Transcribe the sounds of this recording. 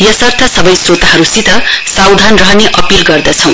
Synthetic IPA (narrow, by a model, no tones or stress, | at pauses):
jʌsʌrt̪ʰʌsʌbʌjsrot̪aɦʌɾusit̪ʌsawd̪ʱanrʌɦʌneʔʌpilɡʌrd̪ʌt͡sʰʌ̃w̃